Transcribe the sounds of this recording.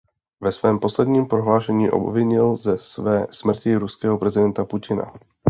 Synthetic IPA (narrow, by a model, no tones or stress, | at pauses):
vɛsvɛːmpo̞slɛdɲiːmpɾo̞ɦlaːʃɛɲiːʔo̞̰bvɪɲɪlzɛsvɛːsmr̩cɪɾuskɛːɦopɾɛzɪdɛnt̪apucɪna̰